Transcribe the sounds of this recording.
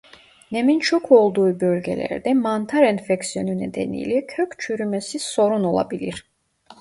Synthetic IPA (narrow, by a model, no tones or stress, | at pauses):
nɛmint͡ʃʰɔkʰuɔlˠd̪uibɔɾɡɛ̰lɛ̰ɾd̪ɛmant̪ʰaɾɛnfɛksiɔninɛd̪ɛ̰nḭlikʰœkʰt͡ʃʰyɾimɛsisɔɾunɔlˠa̰bilḭɾ